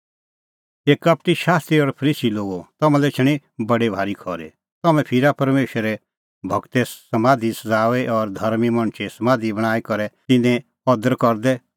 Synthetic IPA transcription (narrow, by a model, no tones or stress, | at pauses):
eːkɐp̚ʈiʃaːst̪ɾiɔɾpʰɐɾiːsiloːɡot̪ɐmɛ̃lɛt͡ʃʰɐɽ̃i | bɐɽebʱaːɾikʰɔɾḛ | t̪ɐmɛ̃pʰɪɾapɐɾmeːʃəɾɛ | bʱɐɡt̪ɛsɐmãːd̪ʱisɐd͡zaːʋɛʔɔɾd̪ʱɐɾmimɐɽ̃t͡ʃʰesɐmãːd̪ʱibɐɽ̃aːikɔɾɛt̪ɪnɛ̃ | ɔd̪əɾkɔɾd̪ɛ